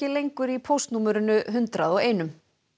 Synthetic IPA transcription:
ɪlejŋkʏɾipʰowst̪nuːmɛɾʏnʏɦʏnt̪ɾaðɔɣeːjnʏm

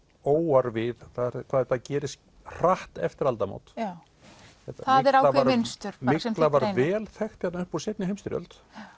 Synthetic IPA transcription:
oːwaɾvɪðθaɾkʰvaːðɛt̪ːacɛːɾɪs | r̥aht̪ɛ̰ft̪ɪɾalt̪amo̰ːwt̪ː | θɛt̪aaðɛɾawlaɛmɪnst̪ʏɾ̥maɪksɛmlavaɾvɛːlθɛxt̪jat̪naʏhpuɾ̥sejt̪nɪɦejmst̪ɪɾjœ̰lt̪

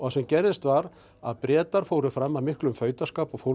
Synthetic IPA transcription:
ɔasɛmcɛɾðɪst̪vaɾ | a̰ðpɾjɛːt̪aɾ̥fowɾʏfɾamːaðmɪhklʏmfœːɥt̪askaːpɔɣfo

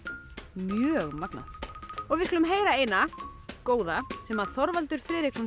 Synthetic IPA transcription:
mjœːɣmakna̰ɔɣvɪðsklʏmɦeːjɾaeːjnakoːwðasɛmaðθɔɾvalt̪ʏɾ̥fɾɪːðɾɪksɔn

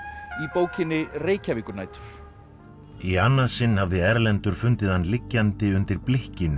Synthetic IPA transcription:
ipoːwcɪnːɪreːjcavikʏɾnaːjt̪ʏ̥ɾ̥ | ianːaðsɪnːhavðɪɛɾlɛnt̪ʏɾ̥fʏnt̪ɪðhanːlɪcːant̪ɪʏnt̪ɪɾplɪhcɪnʏ

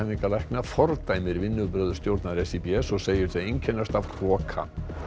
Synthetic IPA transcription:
anːiŋkalɛhknafɔɾt̪ajmɪɾvɪnːʏpɾœːðʏ̥st̪jowɾt̪naɾɛsipiɛsːɔɣseːjɪɾ̥θejeɲcʰɛnːast̪afkʰrɔːkʰa̰

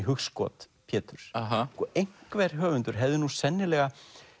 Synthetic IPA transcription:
ɦʏxskɔ̰ːt̪ | pʰjɛːt̪ʏɾ̥ɦakɔʔejŋ̥kvɛːɾ̥ɦœːvʏnt̪ʏɾ̥ɦɛvðɪnusɛnːɪlɛɣa

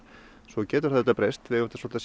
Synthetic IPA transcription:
sɔcɛːt̪ʏɾ̥θaðɛt̪apɾejst̪vɪʏɾ̥t̪asɔlt̪as

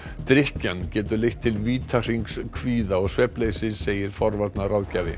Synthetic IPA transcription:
t̪ɾɪhcancɛːt̪ʏlejht̪ʰːɪlviːt̪ʰar̥iŋkskʰviːðaɔɣsvɛpleːjsɪðseːjɪɾ̥fɔɾvaɾt̪narawðcavɪ̰

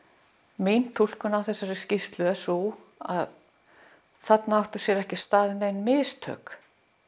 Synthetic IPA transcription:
meːjn̥t̪ʰul̥kʏnawθɛsːaɾɪscist̪lʏɛsu | a̰ð | θat̪naawht̪ʏsjɛɾɛhcɪst̪aːðɪnejnmɪːst̪ʰœ̰ːk

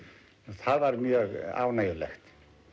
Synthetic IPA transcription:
nθaðvaɾmjœːɣa̰ːwnajʏlɛ̰xt̪

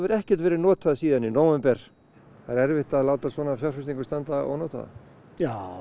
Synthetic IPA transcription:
vɪɾɛhcɛɾ̥t̪vɛːɾɪnɔːt̪aðasiːðaninoːwɛmpɛɾ̥ | θaɾɛɾvɪht̪aðlaːwt̪asvɔːnafjawsfɛst̪ĩŋkʏ̥st̪ant̪aɔ̰ɣnɔːt̪a̰ða̰ | jaː

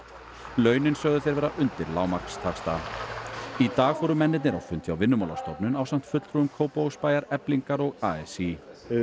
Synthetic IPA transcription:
lœːɥnɪnsœɣðʏθejɾvɛːɾaʔʏnt̪ɪɾlaːwmaɾ̥kst̪ʰakst̪a | it̪aːɣfɔɾʏmɛnːɪt̪nɪɾawfʏnt̪ʰjawvɪnːʏmawla̰st̪ɔpnʏnaːwsam̥t̪fʏt̪l̥ʰɾuʏmkʰoːwpowspaːjaɾɛpliŋkaɾɔɣaɛsi

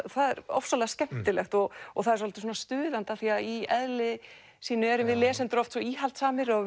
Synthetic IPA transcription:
θaðɛɾɔ̰fsɔlɛɣascɛm̥t̪ɪlɛxt̪ɔɣɔɣθaðɛɾsɔlt̪ɪ̥s̬uːnast̪ʏːðant̪aθiaðiɛðlɪ | siːnʏɛɾʏmvɪðlɛːsɪnt̪ʏɾɔft̪sɔiːɦal̥t̪saːmɪɾa

